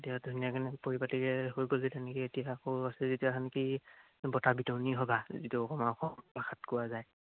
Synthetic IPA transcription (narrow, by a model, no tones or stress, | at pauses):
tijadʱunijakanɛpoɹipatikɛɦojkolitankietijakowasɛzituakʰanki | bɔtabitɔniɦɔbazituɔkʰɔmaɔxɔbaxʰatkʊwazaj